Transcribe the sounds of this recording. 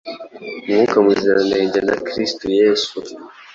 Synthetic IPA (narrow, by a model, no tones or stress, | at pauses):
mɡukamuziɾaneːɲɟena̰kɾistujeːsu